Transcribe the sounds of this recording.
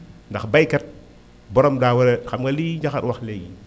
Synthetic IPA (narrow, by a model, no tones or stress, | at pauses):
ndaxbajkɐt̚ | bɔɾɔmdaːwɐɾɛxamɡɐliːɲd͡ʒaxa̰twaxleɡi